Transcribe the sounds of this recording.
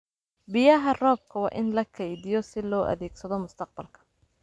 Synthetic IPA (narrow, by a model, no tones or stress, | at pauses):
bɪjɐɦɐrɔːb̚kʰɐwɑ̰ːʔɪnlɐkʰɐjðɪjɔsɪlɔːʔɐ̰ðɛːɡsɐðɔmʊst̪ʰɐq̚bɐlkʰɐ̥